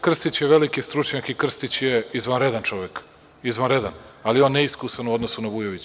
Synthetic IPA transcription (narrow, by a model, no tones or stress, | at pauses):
kr̩st̪it͡ɕjeʋe̞likist̪ɾut͡ʃɲakikr̩st̪it͡ɕjeizʋanɾed̪ant͡ʃo̞ʋek | izvʋanɾed̪analionːeiskusanuo̞d̪nosunabujoʋit͡ɕ